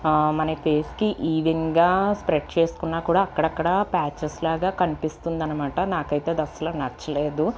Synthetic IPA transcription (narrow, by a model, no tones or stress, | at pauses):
mɐnepʰe̞ːskiʔiːʋiŋɡaːspɾeʈ̚t͡ʃeːsu̥kunːaːkuːɽaːkːɐɽɐkːɐɽɐpaːt͡ʃɐɾslaːɡaːkɐnipist̪und̪ɐnɐmaːʈɐnaːkɐjt̪e̞ːd̪ɐsːɐlaːnɐt͡ʃːɐle̞ːd̪u